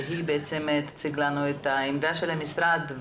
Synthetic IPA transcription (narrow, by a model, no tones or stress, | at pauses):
ɦibeʔet͡se̞mt̪ḁt͡siɡlanuet̪aimd̪aʃelhamisɾad̪